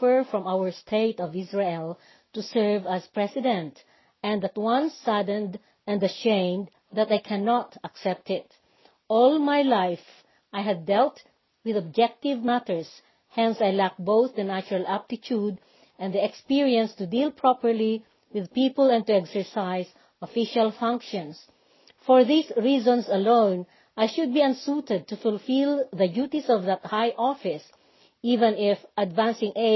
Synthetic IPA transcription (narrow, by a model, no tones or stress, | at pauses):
əɹfɹɔ̃mawəɹst̪ʰeɪt̪ɔvɪsɹeɛlˠ | t̪usɛɹvaspɹɛsɪd̪ɛ̃nt̪ | ʔɛ̃nd̪at̪wʌ̃nsad̪ə̃nd̪ | ɛ̃nd̪ɐʃẽɪ̃md̪ | ðat̪ajkʰænɑt̪aksɛp̚t̪ɪt̪ | ʔɔlˠmajlajf | ajɦɨd̪ːɛlt̪ | wɪðɔb̚d͡ʒɛk̚t̪ɪvmæt̪əɹs | hɛ̃nsajlæk̚boʊθd̪ənæt͡ʃʊɹalæp̚t̪ɪt̪ʰud̪ | ʔɛ̃nd̪iɛkspiɹiɛ̃nst̪ud̪ilpʰɹɔpəɹli | wɪðpipəlɛ̃nt̪uɛksɛɹsaɪs | ɔfiʃalˠfʌ̃ŋkʃɔ̃ns | fɔɹðisɹizɔ̃nsɐlõʊ̃n | ʔajʃʊd̪̚biãnsut̪ɛd̪̚t̪ufʊlfilˠðəd͡ʒjut̪isɔvðat̪̚hajʔɔfɪs | ivɛ̃nɪfʔad̪væ̃nsɪ̃ŋe